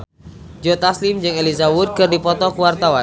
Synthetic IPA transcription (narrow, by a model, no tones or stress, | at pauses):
d͡ʒot̪aslimd͡ʒɨŋelizabut̪̚kɨrdipɔt̪ɔkuwart̪awan